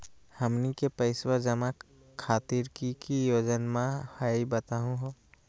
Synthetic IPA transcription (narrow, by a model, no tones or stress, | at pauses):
həmnikepəɪswad͡ʒəma | kʰaːt̪iːɾkikijoːd͡ʒənmãhaibət̪aːɦũɦoː